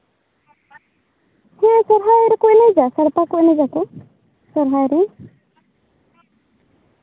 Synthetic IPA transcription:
hɛ̃ʔsɔɾɦajɾɛkɔʔnɛd͡ʒasəɽp̪akɔʔnɛd͡ʒakɔ | sɔɾɦajɾɛ

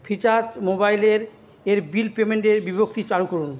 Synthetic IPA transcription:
pʰit͡ɕad͡ʑmobajleɾ | eɾbilpemeɳʈeɾbibʱokt̪it͡ɕalukoɾun

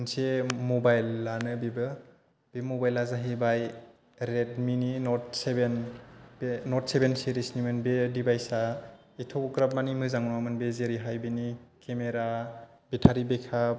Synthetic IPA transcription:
nsemobajlːanɯbebɯ | b̥emobajlazaɦibaj | ɾedmininɔtsebenbenɔtsebenseɾisnimɯnbedibajsa | itʰoɡɾap̚manimɯzaŋnamɯnbezeɾiɦajbinikemeɾa | bitʰaɾibekʰa

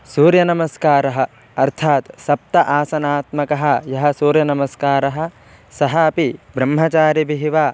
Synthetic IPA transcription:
suːɾjɐnɐmɐskaːɾɐɦɐ̆ | ɐɾt̪ʰaːt̪sɐp̚t̪ɐʔaːsɐnaːt̪mɐkɐɦɐ̆jɐɦɐ̆suːɾjɐnɐmɐskaːɾɐɦɐ̆ | sɐɦɐɐpibɾɐmɦɐt͡ʃaːɾɐbiɦiʋaː

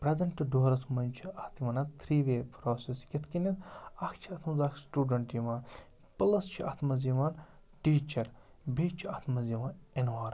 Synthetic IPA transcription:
pɾezɐɳʈɨɖoːɾɐsmɐnʲt͡ʃʰiɐt̪iʋɐnɐt̪ʰɾiːʋeːpɾoːseskʲit̪ʰkinʲɐt̪ɐkʰt͡ʃʰiɐt̪ʰmɐzaːkʰsʈuːɖɐɳʈjiʋaːn | pɨlɐst͡ʃʰiɐt̪ʰmɐziʋaːn | ʈiːt͡ʃɐɾ | bʱiːt͡ʃʰiɐt̪ʰmɐziʋaːnenʋaːɾ

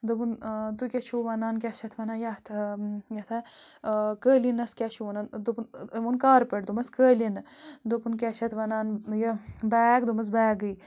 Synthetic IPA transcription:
d̪upunt̪ukʲet͡ʃʰuʋɐnaːnkʲɛʃɐt̪ʰʋɐnaːnjɐt̪ʰjɐt̪ʰɐ | kəːlinɐskʲaʃʰuʋɐnaːnd̪upunmunkaːɾpeʈd̪umɐskəːlinɨ | d̪upunk̬ʲeʃʰɐt̪ʰʋɐnaːnjɐbɛːɡd̪umɐs̬bɛːɡɨj

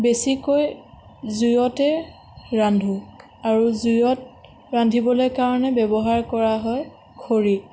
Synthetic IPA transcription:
besikoj | zujɔtɛ | ɹandʱu | aɹuzujɔt̚ | ɹandʱibɔlojkaɹɔnɛbɛbɔɦaɹkɔɹaɦɔj | kʰoɹi

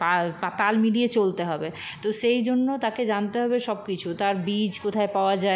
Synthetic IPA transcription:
papat̪almiɽiet͡ɕolt̪eɦɔbet̪oʃejd͡ʑonːot̪aked͡ʑant̪eɦɔbeʃɔb̚kit͡ɕʰut̪aɾbid͡ʑkot̪ʰaepaoad͡ʑae

